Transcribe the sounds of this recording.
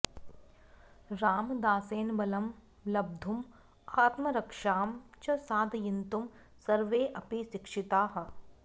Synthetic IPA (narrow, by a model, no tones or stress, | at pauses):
ɾaːmd̪aːseːnbɐlɐm | lɐb̚d̪ʱum | aːt̪mɐɾɐkʂaːmt͡ʃɐsaːd̪ʱjint̪um | sɐɾʋeːʔɐpiʃɪkʂit̪aːɦɐ̆